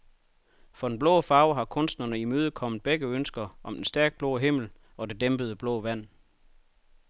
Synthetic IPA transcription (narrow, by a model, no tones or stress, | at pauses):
fɒ̽denb̥lɔ̽ʊfɑ̈ʊɦɑ̈kʰɔ̽nsd̥nɐnəimøːð̞̩ˠkʰɒ̽m̰ð̩ˠb̥eɡ̥əønsɡ̥ɐʔɒ̽md̥ensd̥æɐɡ̥̚b̥lɔ̰ːɦe̝m̰l̩ | ɒ̽de̝d̥emb̥əð̞ˠəb̥lɔ̽ːʋæn̰